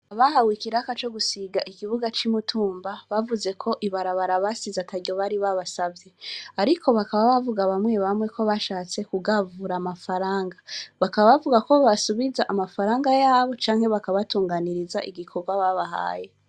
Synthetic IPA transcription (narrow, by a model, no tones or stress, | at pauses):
aβaɦawikiɾakat͡ʃo̞ɡusiɡaʔikiβuɡat͡ʃimutʰuːmbaβavuze̞kʰo̞ʔiβaɾaβaɾaβasizatʰaɾɟo̞βaɾiβaβasavje̞aɾikʰo̞βakaβaβavuɡaβamwe̞βamwe̞kʰo̞βaʃaːt͡se̞kuɡavuɾaːmafaɾaːŋɡaβakaβaβavuɡako̞βasuβizaʔamafaɾaːŋɡajaːβo̞t͡ʃaːŋhe̞βakaβatuːŋɡaniɾizaʔiɡikʰo̞ɾɡwaβaβaha̰ːje̞